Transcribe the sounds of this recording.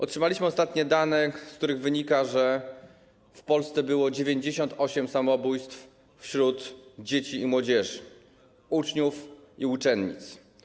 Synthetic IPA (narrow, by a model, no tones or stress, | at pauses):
ʔɔ̰tʂɘmalʲiɕmɘɔst̪at̪ɲɛd̪anɛskt̪uɾɘɣvɘɲikaʐɛ | fpɔlst̪sɛbɘwɔd͡ʑevʲjeɲd͡ʑeɕɔnt̪ɔɕɛmsamɔbujst̪f | fɕɾut̪d͡ʑet͡ɕiːmwɔd͡ʑɛʐ | ut͡ʂɲufiut͡ʂɛnɲḭt̪s